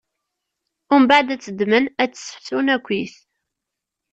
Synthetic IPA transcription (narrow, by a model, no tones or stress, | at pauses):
ʊɾmbaʕd̪æt͡sːəd̪mənæt͡sːə̥sə̥ħθunækʷːiθ